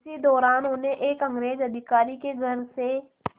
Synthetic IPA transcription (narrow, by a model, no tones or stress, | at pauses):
sid̪ɔːɾaːnʊnẽʔeːkɐ̃ŋɡɾeːzɐd̪ʱɪkaːɾikeɡʱɐɾse